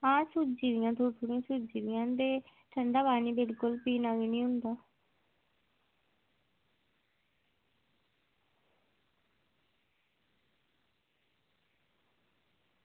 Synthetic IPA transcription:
ãːsud͡ʒiːɾɪjãːt̪oːʈʰuɽĩãːsud͡ʒiːʋɪjãːd̪eːʈʰəɳɖaːbaːniːbɪlkʊlpiːnaɡnĩːɦʊ̃nd̪aː

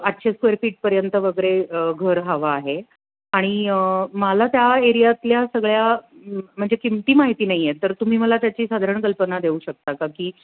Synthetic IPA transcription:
atːɕʰeskʋeɾfiːʈ̚pəɾjənt̪əʋəɡəɾeəɡʱəɾɦaʋaːɦe | aɽ̃imalat̪jaeɾijat̪ljasəɡɭja | m̤əɳd͡zekimt̪iːmaɦit̪iːnaɦijet̪əɾt̪um̤iːməlat̪jat͡ɕiːsad̪ʱaɾəɳkəlpənad̪euːɕək̚t̪akakiː

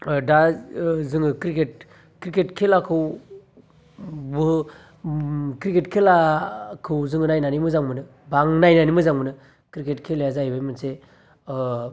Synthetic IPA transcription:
dazɯŋɯkɾiket̚ | kɾiketkʰelakʰɯw | bɯ | kɾiketkʰelakʰɯwzɯŋɯnajnanimɯzaŋmɯnɯ | baŋnajnanimɯzaŋmɯnɯ | kɾiketkʰeljazajbɯjmɯnse

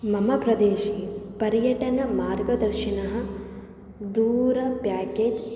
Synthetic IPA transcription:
mɐmɐpɾɐd̪eːʃiːpɐɾjɐʈɐnɐmaːɾɡɐd̪ɐɾʃinɐɦɐ̆ | d̪uːɾɐpjaːkeːd͡ʒ

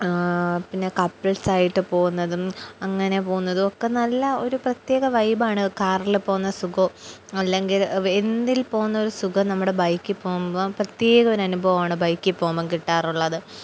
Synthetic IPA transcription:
pinːe̞kɐpːɐɭsaːjiʈːɨpo̞ːɣunːɐðumɐŋːɐne̞po̞ːɣunːɐðuokːe̞nɐlːɐo̞ɾuprɐt̪je̞ːɣɐʋɐjbaːɳɨkaːrilpoːɣunːɐsuɡɐɐlːe̞ŋɡilend̪ilpo̞ːɣunːɐo̞ɾusuɡɐnɐmːuɽe̞bɐjkːipːoːɣumboprɐt̪je̞ːɣɐoɾɐnubʱɐʋɐmaːɳɨbɐjkːipːoːmbɐmkiʈːaːruɭːɐðɨ

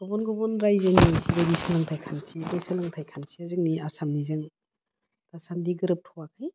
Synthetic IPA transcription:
ɡ̥ɔbɔnɡɔbɔnɾajzɯnisiɾadisalaŋtʰajkʰansibajsɯlaŋtʰajkʰansiazɯk̚niasamnizɯŋ | tasandiɡɯɾɯp̚tʰɔwakʰɯj

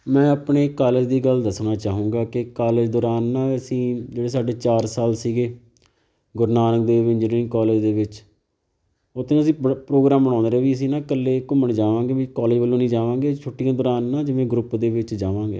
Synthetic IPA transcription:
mɛ̃ːəpɳeːkaːləd͡ʒd̪iːɡəld̪əsnaːt͡ʃaːɦũːŋɡaːkɪkaːled͡ʒd̪ɔːɾaːnːãːəsĩːd͡ʒeːɽeːs̬aːɖeːt͡ʃaːɾsaːlsiːɡeː | ɡʊɾnaːnək̚d̪eːʋɪ̃nd͡ʒəɾŋkaːleːd͡ʒd̪eːʋɪt͡ʃ | ʊt̪ʰːeːnəsĩːpɾoːɡɾaːmbəɽãːnd̪eːʋiːəs̬ĩːnãːkəlːeːkʊmːəɳd͡ʒaːʋãːɡeːʋiːkaːleːd͡ʒbəlːõːnĩːd͡ʒaːʋãːɡeːt͡ʃʰʊʈːijãːd̪ɔːɾaːnːãːd͡ʒɪʋẽːɡɾʊpd̪eːʋɪt͡ʃd͡ʒaːʋãːɡḛː

